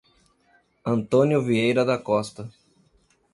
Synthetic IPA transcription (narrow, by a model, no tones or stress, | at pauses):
ɐ̃nt̪õnjʊviejɾɐd̪ɐkɔst̪ɐ